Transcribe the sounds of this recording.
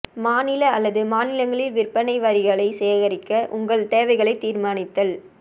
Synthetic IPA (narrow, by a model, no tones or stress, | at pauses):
maːnɪlɐːlːɐðɯmaːnɪlɐŋɡɐɭɪlʋɪrpːɐnɐɪʋɐɾɪɣɐɭɐɪsɛjɐɣɐɾɪkːɐʔʊŋɡɐɭt̪eːʋɐɪɣɐɭɐɪt̪ːiːɾmaːnɪt̪ːɐl